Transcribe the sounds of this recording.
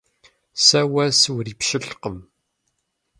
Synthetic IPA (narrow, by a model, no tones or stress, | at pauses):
sæwæswɾipʃəɬqəm